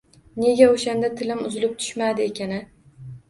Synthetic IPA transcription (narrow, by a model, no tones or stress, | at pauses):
ne̞ɡʲaoʃand̪at̪ʰɪlɪmʊzɪlɪp̚t̪ʰʊ̥ʃmad̪ɪekʲʰanɪ